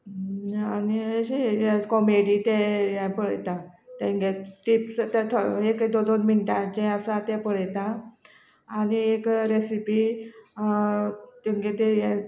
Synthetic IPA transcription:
anieɕejakɔmeɽit̪ẽjɛ̃pəɭjt̪at̪eŋɡeʈipst̪t̪ʰoekd̪od̪onminʈad͡ʑɛ̃əsat̪ɛ̃pəɭjt̪ãː | niekɾesipi | t̪iŋɡet̪eje

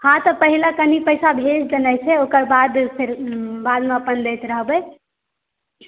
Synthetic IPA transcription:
hãt̪ɔpəɦilakənipəjsabʱesd͡ʒənəjt͡ʃʰɛokəɾbad̪pʰeɾbad̪meəpənd̪et̪ɾəɦbəj

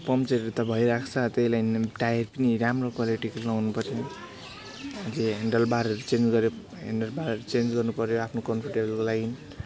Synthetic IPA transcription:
pʌmt͡seɾʌɾut̪ʌbʱʌjɾakʰt͡sʰʌt̪ʌilajnʈajʌrpʌniɾamrokwaliʈiklʌwnupʌt͡sʰʌ | ʌd͡zeɦeɳɖʌlbaɾʌɾut͡send͡zɡʌɾjo | ɦḛɳɖʌlbaɾʌɾut͡send͡zɡʌrnupʌɾjoapʰnokʌnpʰʌrʈebʌlkolaɡin

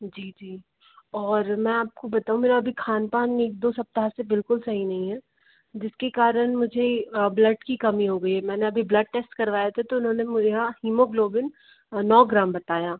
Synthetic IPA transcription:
d͡ʒiːd͡ʒiː | ɔːɾmɛ̃aːp̚kobɐt̪aːũmeːɾaɐbʱikʰaːnpaːneːk̚d̪oːsɐp̚t̪aɦasebɪlkʊlsɐɦinɐɦĩɦɛː | d͡ʒɪskekaːɾənmʊd͡ʒʱeblɐɖkikɐmiɦoːɡɐiɛmɛ̃ːneɐbʱiblɐɖ̚ʈeːsʈkɐɾʋaːjat̪ʰat̪oʊnɦõːnemʊd͡ʒeahiːmoɡloːbɪn | nɔːɡɾaːmbɐt̪aːjaː

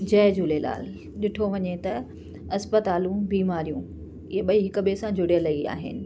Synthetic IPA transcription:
d͡ʑɛːd͡ʑuːlela̰ːl | ɗɪʈʰoʋɐɲet̪ɐ | ɐspət̪aːlũbiːmaːɾijũ | ɪɦeɓɐiɦɪkəɓesãd͡ʑʊɽijəlɐia̰ːɦɪ̰nɪ̆

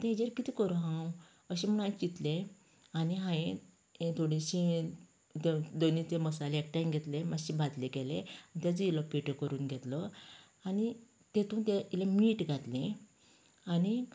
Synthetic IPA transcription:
t̪ed͡ʑeɾkit̪iːkəɾuɦãw | əɕem̤əɳ̃ãĩt͡ɕit̪le | aniɦãẽ | t̪ʰoɽiɕĩ | t̪ed̪onit̪eməsaleek̚ʈajmɡʱɛt̪lemaɕibʱad̪leɡɛleait̪jad͡zilɔpeʈəkəɾuːnɡʱɛt̪lə | ani | t̪et̪ũːnt̪eilemiːʈɡʱat̪lẽ | ani

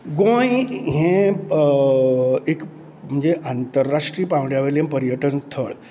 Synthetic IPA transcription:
ɡõjɦẽ | ek | m̤əɳd͡zeʔant̪əɾːaʂʈɾiːpãʋɳjaʋelẽpəɾjəʈənt̪ʰəɭ

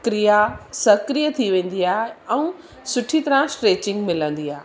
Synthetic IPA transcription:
kɾijasɐkɾijət̪ʰiʋẽːn̆d̪iaːɦɛ̃ũ | sʊʈʰit̪ɐɾãsʈɾeːt͡ɕɪ̃ŋɡmɪlə̃n̆d̪iaːɦ

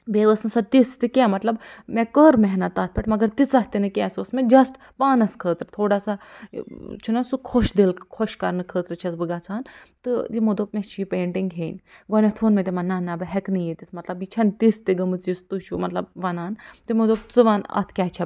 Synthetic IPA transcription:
beːʋəsnɨsɔt̪ist̪ɨkʲɛːmɐt̪lɐbmekəɾmɛɦnɐt̪ɐt̪̚ʰpʲɛʈmɐɡɐɾt̪it͡sɐht̪inɨkʲɛːsosmɛd͡ʒɐsʈ | paːnɐskʰəːt̪ɾɨt̪ʰoːɽaːsa | t͡ʃʰinɐsukʰoʃd̪elkʰoʃkɐɾnɨkʰəːt̪ɾɨt͡ʃʰɐsbɨɡaːt͡sʰaːnt̪ɨjimod̪oːp̚mʲet͡ʃʰiipẽːɳʈiŋɡɦeːnʲɡɔnʲɐt̪ʰoːnmet̪̬imɐnːaːnːaːbɨɦɛknɨjit̪it̪ʰmɐt̪lɐbit͡ʃʰɐnt̪ist̪iɡɐmɨt͡sist̪uʃumɐt̪lɐb̚ʋɐnaːnt̪imod̪oːp̚t͡sɨʋanɐ̰t̪ʰkʲaːt͡ʃʰɐ

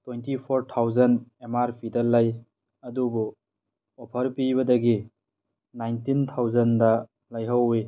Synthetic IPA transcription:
twejntipʰoɾtʰawzɐnemaɾpʰidɐlːaj | ɐdubu | ɔpʰɐɾpibɐdɐɡi | najntintʰawzɐndɐ | lajɦɐwi

